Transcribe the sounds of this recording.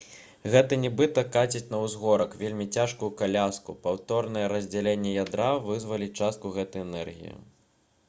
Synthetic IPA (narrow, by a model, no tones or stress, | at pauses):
ɣɛt̪ɐnʲɛbɨt̪ɐkat͡sʲit͡sʲnɐwzɣɔɾɐkvʲelʲmʲit͡sʲaʂkujukalʲaskupawt̪ɔrnɐjɛɾɐzʲd͡zʲɛlʲenʲːɛjad̪ɾavɨzvɐlʲit͡ʂast̪̚kuɣɛt̪ɐjɛnɛrɣʲḭjḭ